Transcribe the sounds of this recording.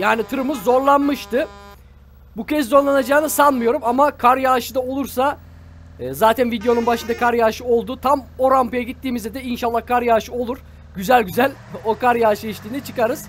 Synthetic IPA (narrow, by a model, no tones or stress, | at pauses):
jaːnit̪ʰɯɾɯmɯzːo̞ɾlˠanmɯʃt̪ʰɯ | bucʰezzo̞ɾlˠanad͡ʒaːnɯsanmɯjo̞ɾumamakʰaɾjaːʃɯd̪ao̞lˠuɾsaː | zaːt̪ʰænvid̪ejonunbaʃɯnd̪akʰaɾjaːʃɯo̞lˠd̪uːt̪ʰamo̞ɾampɯjaɟit̪ːiːmizɛd̪ɛinʃalˠːahkʰaɾjaːʃɯo̞lˠuɾ̥ | ɟyzælʲɟyzælʲo̞kaɾjaːʃɯiʃt̪ʰʲiːnɛt͡ʃʰɯkaɾɯz̥